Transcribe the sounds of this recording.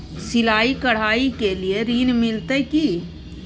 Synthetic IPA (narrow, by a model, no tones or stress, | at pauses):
sɪlaːikɐɽ̤aːikelieɾiːnmɪlt̪ekiː